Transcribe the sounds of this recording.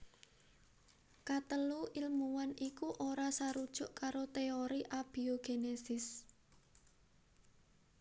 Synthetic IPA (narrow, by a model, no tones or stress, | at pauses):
kat̪əluʔilmuwanikuʔoɾasaɾud̥ʒ̥ʊ̤ʔkaɾot̪eoɾiʔab̥i̤oɡ̥enesɪs